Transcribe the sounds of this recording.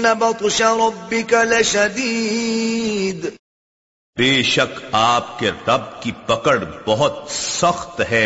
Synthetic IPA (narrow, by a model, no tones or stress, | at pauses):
nɐbɐt̪ˤʊʃaɾˤɔbːɪkaleʃɐd̪iː | d̪ | beːʃɐkaːp̚keɾɐb̚kipɐkəɽbɐɦʊt̪sɐxt̪ɦɛː